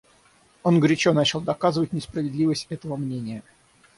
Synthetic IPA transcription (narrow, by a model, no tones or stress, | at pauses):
o̞nɡɾʲɪt͡ɕonat͡ɕɪlˠd̪ɐkazɨvətʲnʲɪspɾəvʲɪd̪lʲivəsʲtʲɛt̪əvəmnʲenʲɪjə